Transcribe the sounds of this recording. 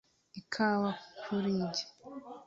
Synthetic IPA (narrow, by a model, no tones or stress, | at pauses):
ikʰawakʰuɾiːɲɟe̥